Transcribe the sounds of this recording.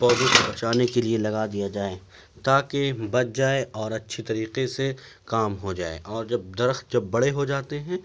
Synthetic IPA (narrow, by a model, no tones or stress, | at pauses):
pɔːd̪õkobɐt͡ʃaːnekelielɐɡad̪ijad͡ʒaːe | t̪aːkebɐt̪̚d͡ʒaːeʔɔːɾɐtːʃʰet̪ɐɾiːqese | kaːmɦod͡ʒa̰ːḛʔɔːɾd͡ʒɐb̚d̪ɐɾəxt̪̚d͡ʒɐbːɐɽeɦod͡ʒaːt̪eɦɛ̃ː